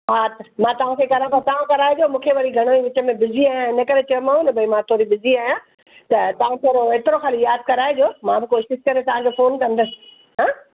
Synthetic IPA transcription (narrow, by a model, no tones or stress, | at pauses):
ɦaːt̪ʰmãːt̪ɐʋ̤ãkʰekɐɾə̃ɽ̃t̪ʰãt̪ɐʋ̤ãkɐɾaːed͡ʑoːmũːkʰeʋɐɾiɡʱɐɽ̃oiʋɪt͡ɕə̆mẽbɪziaːjãɪnɐkɐɾet͡ɕɐjomaːɦũnɐbʱɐimãt̪ʰoːɾibɪziaːɦijã | t̪ɐt̪ɐʋ̤ãt̪ʰoːɾoeːt̪ɪɾoxaːlijaːd̪̚kɐɾaːed͡ʑoːmãbɪkoːsɪskɐɾet̪ɐʋ̤ãd͡ʑofoːnkɐ̃nd̪əs | ɦãː